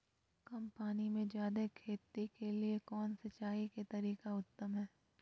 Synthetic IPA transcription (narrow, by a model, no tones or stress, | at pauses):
kɐmpaːnimẽd͡ʒjaːd̪ekʰeːt̪ːikeliekɔːnsɐt͡ʃːaːiket̪ɐɾiːkaʊt̪ːəmɦɛː